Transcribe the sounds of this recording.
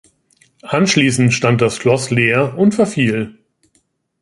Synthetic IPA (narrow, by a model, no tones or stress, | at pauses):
ʔanʃliːsn̩tʃtant̚d̥asʃlɔsleːɐʊntfɛɐfiːl